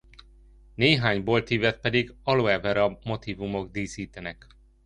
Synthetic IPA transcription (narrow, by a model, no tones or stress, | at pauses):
neːɦaːɲbolt̪iːvɛt̪̚pɛd̪iɡɒloɛvɛɾɒmo̞t̪iːvumo̞ɡd̪iːsiːt̪ɛnɛk